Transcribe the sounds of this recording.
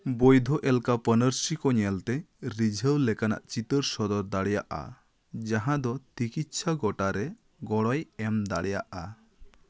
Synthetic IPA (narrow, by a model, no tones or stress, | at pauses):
bojd̪ʱɔʔɛlkapənəɾsikɔɲɛlt̪ɛ | ɾid͡ʒʱəwlɛkana̰ʔt͡ʃit̪əɾsɔd̪ɔɾd̪aɽijaʔa̰ | d͡ʒaɦãd̪ɔt̪ikit̪ʃʰaɡɔʈaɾɛ | ɡɔɽɔjɛmd̪aɽijaʔa